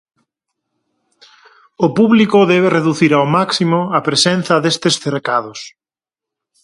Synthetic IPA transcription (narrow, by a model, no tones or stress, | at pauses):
ʊpuβlikʊðɛβereðuθiɾawmaksimoɐpɾesenθɐðest̪esθeɾkaðʊs